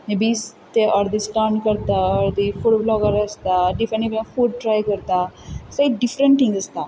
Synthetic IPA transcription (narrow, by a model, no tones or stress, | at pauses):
nebiːst̪eʔɔɾd̪isʈaːɾɳɖkəɾt̪aəɾd̪ifuɽblɔɡəɾəst̪aɖifɾənib̃fuɖ̚ʈɾaːjkəɾt̪asaiɖifɾəɳʈĩŋɡəst̪a